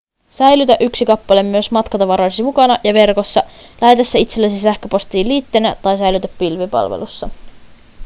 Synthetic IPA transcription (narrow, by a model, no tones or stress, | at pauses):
sæjlyt̪æʔyksikɑpːɑle̞mːyøsmɑt̪kɑt̪ɑʋɑɾoisimukɑnɑʔjɑʋe̞rko̞sːɑlæhet̪æsːæit̪selːæsisæhkøpo̞st̪iːlːiːt̪ːenæt̪ɑjsæjlyt̪æpːilʋepɑ̰lʋḛlusːɑ